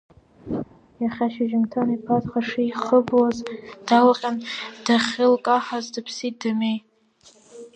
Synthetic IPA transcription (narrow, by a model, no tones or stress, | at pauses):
jaχʲaʃaʒɪmtʰanipʰatχaʂijχəbwazd̥alqʲʼand̥aχʲɪlkʼaħazdapʰsit̚damej